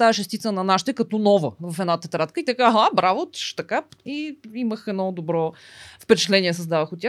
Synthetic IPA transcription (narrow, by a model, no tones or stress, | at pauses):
t̪aɛʃɛst̪it̪sənɐnaʃt̪ɛkɐt̪ɔnɔvəvɐfɛd̪nat̪ɛt̪ɾat̪kəit̪ɐkaɦabɾavot̪ʃt̪ɐkaiiməxɛd̪nɔd̪obɾɔfpɛt͡ʃɛt̪lɛniɛs̬əzd̪avəxʊt̪ʲːa